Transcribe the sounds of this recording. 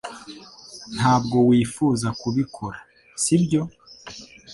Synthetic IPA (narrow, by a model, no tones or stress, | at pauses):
n̥haːb̚ɡo̞wiːfuːzakuβikʰo̞ɾa | sibɟo̞